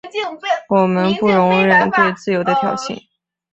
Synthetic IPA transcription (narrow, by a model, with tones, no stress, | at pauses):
wɔ˨˩mə˧˦npu˥˩ɻʊ˧˥ŋɻə˨˩nt̪we˥˧ɪt͡sɹ̩˥˩jo˧˥ʊd̪ə˧k̪ʰjɑ̰˨˩ʊɕḭ˥˩ŋ